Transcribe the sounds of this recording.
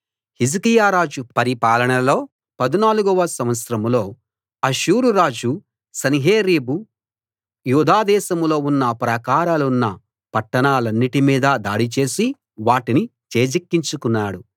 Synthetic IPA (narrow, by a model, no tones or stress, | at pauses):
hizikijaːɾaːd͡ʒupɐɾipaːlɐɳɐlo̞ː | pɐd̪inaːluɡuʋɐsɐmʋɐt̪sɾɐmlo̞ː | ɐʃuːɾuɾaːd͡ʒu | sɐniɦeːɾeːbu | juːd̪ʱaːd̪ɛːʃɐmlo̞ːunːɐpɾɐkaːɾaːlunːɐ | pɐʈːɐɳaːlɐnːiʈimiːd̪ɐd̪aːɽit͡ʃe̞ːsi | ʋaːʈinit͡ʃeːd͡ʒikːiɲt͡ʃukunːaːɽu